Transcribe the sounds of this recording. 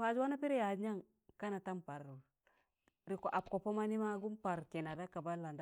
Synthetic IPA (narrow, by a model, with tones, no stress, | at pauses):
fa˨d͡ʒwa˦na˦pi˦ɾi˦ja˨˦ɲa˦ŋ | ka˦na˨ta˦mpa˨ɾu˨ | ɾi˨ko˨ʔa˨pko˨po˦ma˦ni˦ma˦ɡu˦mpa˨ɾke˨na˨da˦ka˨ba˦lːa˨nda˦